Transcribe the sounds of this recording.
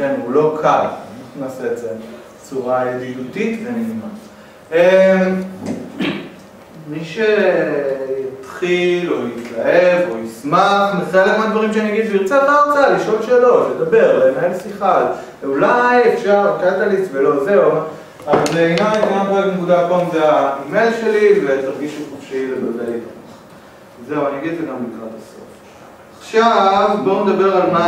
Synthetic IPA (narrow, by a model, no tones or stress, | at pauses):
kenulo̞kʰalninaːseeze | t͡suʁaedidutit̪veniima | em | miʃe | jat̪χilojitlaevojismaχnetaelemod̪vaʁimʃeanijaɡid̪ʃiʁt͡setaaʁt͡saliʃo̞lʃelo̞ʃled̪abe̞ʁlenaelsiχal | eulajefʃaʁakat̪alit͡svelo̞ze̞u | azinajenamʁoeɡnekud̪akomdeaimejlʃe̞livet̪aʁɡiʃuχofʃilebod̪aitmaχ | zeuaniaɡid̪enamlikʁad̪aso̰f | aχʃavboned̪abe̞ʁalma